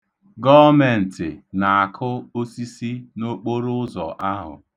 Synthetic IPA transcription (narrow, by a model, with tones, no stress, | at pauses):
ɡɔ˦me˨n̩˨tɪ̰˨na˨a˨kʰʊ˦o˦si˦si˦no˦k͡po˦ɾʊ˦ʊ˦zɔ̰˨ʔa˦ɦʊ̰˨